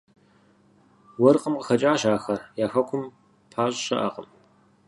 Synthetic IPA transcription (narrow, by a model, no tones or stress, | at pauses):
wɔrqəmqəxɐt͡ʃʼaːɕaːxɐrjaːxɐkʷʰʊm | pʰaːɕʼɕɐ̰ʔɐ̰qʼəm